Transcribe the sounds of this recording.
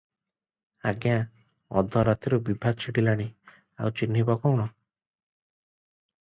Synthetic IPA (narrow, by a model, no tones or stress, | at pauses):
a̰ɡja | ɔ̰d̪ʱɔɾat̪iɾubibʱaɡ̪̚t͡ʃʰiʈilaɽ̃i | a̰wt͡ʃin̤ːibɔkɔwɽ̃ɔ